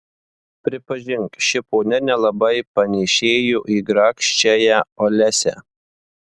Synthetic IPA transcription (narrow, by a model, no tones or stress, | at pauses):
pʲɾʲɪpɐʒʲɪŋkʃʲɪpoːnʲɛnʲɛlˠɐbɐɪpɐnʲɛʃʲeːjuːʔiːɡɾɑːkʃʲt͡ʃʲɛjɛolʲɛsʲɛ̰